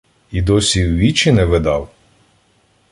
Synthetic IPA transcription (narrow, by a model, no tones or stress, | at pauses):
id̪ɔsʲiwʋʲit͡ʃinɛʋed̪ɑw